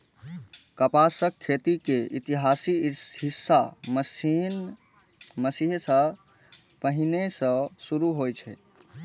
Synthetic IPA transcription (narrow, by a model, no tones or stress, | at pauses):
kəpasəkʰːet̪ikeit̪iɦasiɦisːaməsin | məsiɦsə̃ | pəɦinesə̃suɾuɦojt͡ʃʰɛ